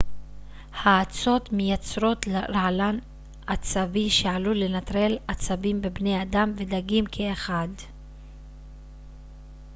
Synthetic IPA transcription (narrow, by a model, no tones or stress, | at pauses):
haːt͡so̞t̪mejat͡sʁo̞tlɾaalan | at͡saviʃeʕalule̞nat̪ʁe̞lat͡sabimbebne̞jadamve̞d̪aɡimkʰeːχad